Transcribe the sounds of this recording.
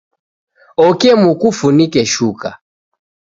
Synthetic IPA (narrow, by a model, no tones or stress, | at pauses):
ɔkɛmukufunikɛʃuka̰